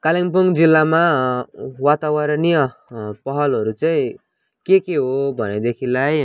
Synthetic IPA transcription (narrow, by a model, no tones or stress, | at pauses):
kaliŋpuŋd͡zilːama | wat̪awaɾʌnijʌpʌɦʌlɦʌɾut͡saĩ | kekeɦobʱʌned̪ekʰilaj